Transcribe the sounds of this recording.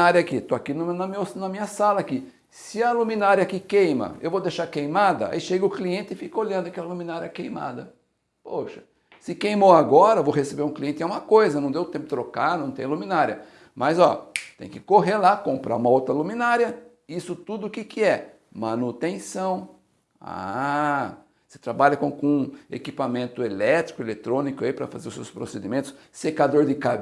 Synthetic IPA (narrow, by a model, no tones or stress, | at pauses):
aɾɐakit̪oakinʊnɐmisnɐmĩɲɐsalɐaki | sɪɐlumĩnaɾiɐkɪkẽjmɐ̰ewvowd̪eʃaɾkejmad̪ɐ̰a̰iʃeɡɐʊkliẽnt̪ɪfikɐoʎɐ̃nd̪ʊakɛlɐlumĩnaɾiɐkejma̰d̪ɐ | poʃɐ̥ | sɪkejmowaɡɔɾɐvowɦesebeɾũkliẽnt̪ɪɛũmɐkojzɐnɐ̃w̃d̪ewt̪ẽpʊ̥t̪ɾokaɾnɐ̃w̃t̪ẽj̃lumĩnaɾiɐ̰ | mɐzɔt̪ḛ̃j̃kɪkoɦelakõmpɾa̰ũmɐowt̪ɾɐlumĩnaɾjɐ | isʊt̪ud̪ʊʊkɪkɪɛ | mɐ̃nut̪ẽsɐ̃w̃ | a̰ | se̥t̪ɾabaʎɐkõkõḛkipamẽnt̪ʊelɛt̪ɾikʊelet̪ɾõnikʊaipɾɐ̰fa̰zeɾʊsewspɾosed̪imẽnt̪ʊ̥s | sekad̪oɾd̪ɪka